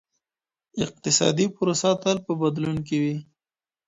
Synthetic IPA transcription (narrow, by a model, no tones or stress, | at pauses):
ɪq̚t̪ɪsɑ̰d̪ipʊɾosat̪alpəbad̪lunk̬ewi